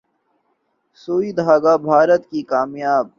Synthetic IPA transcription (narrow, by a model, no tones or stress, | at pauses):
soːid̪ɦaːɡaːbʱaːɾət̪kikaːmjaːb̚